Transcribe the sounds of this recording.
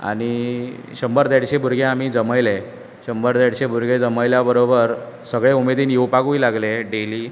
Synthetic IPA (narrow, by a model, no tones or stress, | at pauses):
a̰ɽ̃iɕəmbəɾd̪ɛɽɕebʱuɾɡẽam̤iːd͡zəməjle | ɕəmbəɾd̪ɛɽɕebʱuɾɡʱed͡zəməjljabəɾobəɾ | səɡɭeumed̪iːnjiwpaɡuilaɡleɖeliː